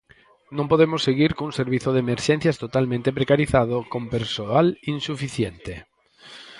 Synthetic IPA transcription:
nõmpoðemosːeɣiɾkoũŋseɾβiθoðemeɾʃen̟θjast̪ot̪almẽnt̪epɾekaɾiθaðokõmpeɾsoalinsufiθjent̪e

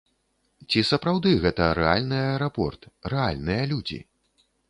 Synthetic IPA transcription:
t͡sʲisɐpɾawd̪ɨɣɛt̪ɐɾɛa̰lʲnɨɐjɛɾapɔ̰rt̪rɛa̰lʲnɨjɐlʲud͡zʲḭ

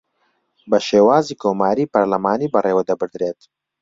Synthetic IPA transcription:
bɐʃeːwaːziːkʰoːmaːɾiːpɐɾlɐmaːniːbɐrʔeːwɐd̪ɐbɨɾd̪ɾeːt̪

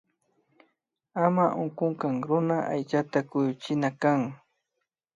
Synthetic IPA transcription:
amaʔʊŋkʊŋkaŋɾʊnaʔa̰jt͡ʃat̪akʊjʊt͡ʃɪnakaŋ

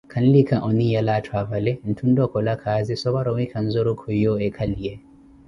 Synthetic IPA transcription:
kʰanlikaʔɔnijalatʰwavalɛn̩tʰundɔkɔlakʰaːzisɔbaɾɔwikʰanzɔɾɔkʰɔjɔɛkʰalijɛ

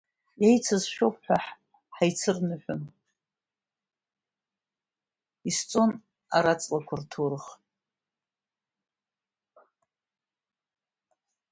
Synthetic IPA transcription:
jejt͡sʰazʃᶣopʰʼħʷᶣaħ | ħajt͡sʰɨrnɨħʷᶣʊn | ist͡sʼon | aɾat͡sʼlakʷʰʊrtʰurχ

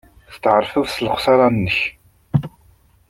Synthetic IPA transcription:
θt̪ːʁəɾˤfəðsələχʷsɑɾˤɑnːəç

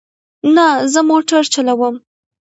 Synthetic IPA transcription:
nazəmoʈaɾt͡ʃalawəm

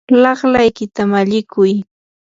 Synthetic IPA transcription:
lɑχlajkɪt̪amaʎɪkʊj

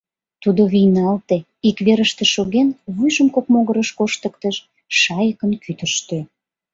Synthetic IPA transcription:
t̪ud̪oβijnɑlt̪e | ikβeɾəʃt̪ĕʃoɣenβujʒəmkokmoɣəɾəʃkoʃt̪əkt̪əʃ | ʃɑjəkənkʰyt̪əʃt̪ø

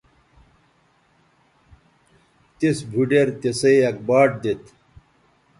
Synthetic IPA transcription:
t̪esbʱuɖeɾt̪esɐjɐk̚baːʈ̚d̪et̪

